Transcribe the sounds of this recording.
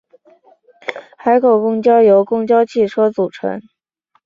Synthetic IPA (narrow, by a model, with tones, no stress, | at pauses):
xa˧˥ɪkʰo˨˩kʊ˥ŋt͡ɕjɑ˥ʊjo˧˥ʊkʊ˥ŋt͡ɕjɑ˥ʊt͡ɕʰi˥˩ʈ͡ʂʰɤ˥t͡su˨˩ʈ͡ʂʰɤ̰˧˥ŋ